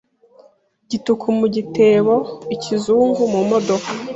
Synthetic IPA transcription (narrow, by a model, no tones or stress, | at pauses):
ɟitukʰumuɟite̞ːβoicʰizuːŋɡumumo̞do̞ka